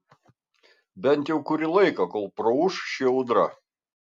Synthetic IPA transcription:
bʲɛnʲt̪ʲjɛʊkʊɾʲɪlˠɐɪkɐkoːlˠpɾoʊʃʃʲɛʊd̪ɾɐ̰

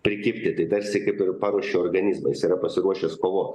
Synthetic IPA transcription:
pʲɾʲɪkʲɪpʲt̪ʲɪt̪ɐɪt̪ɐɾʲsʲɪkɐɪpɪrpɑːɾuɔʃʲeːoːrɡɐnʲɪzmɐjɪsiːɾɐpɐsʲɪɾuɔʃʲɛskoːʋoː

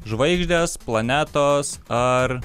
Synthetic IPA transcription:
ʒʋɐɪɡʒʲd̪ʲeːsplˠɐnʲæːt̪oːsɐɾ

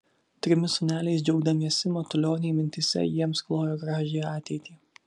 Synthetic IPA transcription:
t̪ʲɾʲɪmʲɪsʊnʲæːlʲɛɪsd͡ʒʲɛʊɡd̪ɐmʲiɛsʲɪmɔt̪ʊlʲoːnʲɛːmʲɪnʲt̪ʲɪsʲɛ̰jiɛmsklˠoːjoːɡɾɑːʒʲeːjɑːt̪ʲɛɪt̪ʲiː

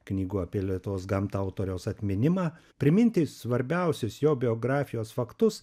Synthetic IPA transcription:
knʲiːɡuːɐpʲiɛlʲiɛt̪oːsɡɐmt̪ʊt̪oːɾʲɛʊsɐt̪ʲmʲɪnʲɪmɑː | pʲɾʲɪmʲɪnʲt̪ʲɪsʋɐɾʲbʲɛʊsʲʊsjoːbʲɪoːɡɾɑːfʲɪjoːsfɐkt̪ʊs

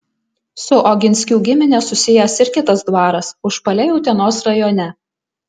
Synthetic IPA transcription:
sʊʔɔɡʲɪnʲsʲkʲuːɡʲɪmʲɪnʲɛsʊsʲɪjɛsɪɾʲkʲɪt̪ɐsd̪ʋɑːɾɐsʊʃpɐlʲɛjɛʊt̪ʲiɛnoːsɾɐjoːnʲɛ

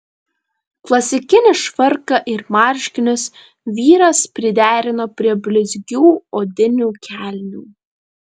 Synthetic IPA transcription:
klˠɐsʲɪkʲɪnʲɪʃʋɐɾkɐʔɪɾmɑːˑɾʲʃʲkʲɪnʲʊs | ʋʲiːɾɐspʲɾʲɪd̪ʲæːɾʲɪnoːpʲɾʲiɛbʲlʲɪzʲɡʲuːoːd̪ʲɪnʲuːkʲʰæˑlʲnʲuː

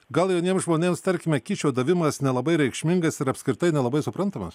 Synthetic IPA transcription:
ɡɐlˠjɛʊnʲiɛmsʒmoːnʲeːmst̪ɐɾʲkʲɪmʲɛkʲiːt͡ʃʲoːd̪ɐʋʲɪmɐsnʲɛlˠɐbɐɪɾʲɛɪkʃʲmʲɪŋɡɐsɪɾɐpʲsʲkʲɾʲɪt̪ɐɪnʲɛlˠɐbɐɪsʊpɾɐnt̪ɐmɐs

